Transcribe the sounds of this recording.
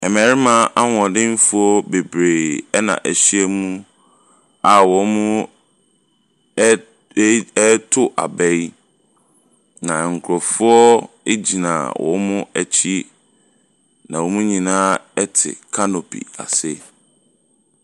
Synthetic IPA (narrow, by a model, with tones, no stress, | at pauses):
ɛ˨mɛ˨ɾɪ˦mã˦ʔa˦wɔ̃˨dɪ̃˦m˦fʊ˦ɔ˦be˨bɾeː˨ɛ˦nã̰˨ʔæ˨ɕi˦ɛ˦mũ˦ | a˨wɔ˨˦mʊ̃ʊ̃˦ | tʰʊ˦ʔa̰˨bɛ˦i˦ | nã˨ŋ̩˨kʰʊ˨ɾɔ˨fʊ˦ɔ˦ | e˦d͡ʑi˨nã̰˨wɔ̰̃˨˦mʊ̃˦ɛ˨t͡ɕʰi˦ | nã˨wɔ˨mũ˦ɲĩ˨nãː˦ɛ˦tʰɪ̰˨kʰa˦no˨pʰḭ˨a̰˨sɪ˦